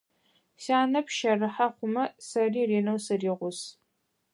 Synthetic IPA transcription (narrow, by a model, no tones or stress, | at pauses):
saːnɐpʰʃɐrɨħaχʷʊmɐsɐriːreːnɐwsɨriːʁʷʊs